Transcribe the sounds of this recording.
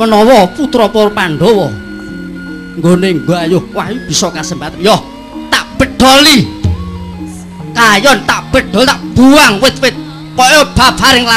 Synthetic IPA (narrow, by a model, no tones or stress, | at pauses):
mənɔwɔput̪ɾɔpɔɾɔpaɳɖɔwɔ | ŋɡoneŋɡoajohwaɦjub̥isɔkasəmbat̪anjɔh | t̪aʔb̥əɖ̥ɔli | kajɔnt̪aʔb̥əɖ̥ɔlt̪aʔb̥uaŋwɪt̪̚wɪt̪̚ | pɔjɔb̥abaɾɪŋla